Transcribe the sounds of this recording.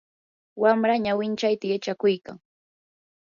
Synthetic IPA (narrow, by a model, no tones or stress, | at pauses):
wamɾaɲawɪnt͡ʃajt̪ajat͡ʃakʊjka̰ŋ